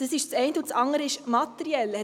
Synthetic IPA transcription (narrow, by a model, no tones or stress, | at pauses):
d̥əsɪʃt͡sɛɪntəut͡sɑŋdəɾəɪʃmɑt̪əɾiɛlhɛ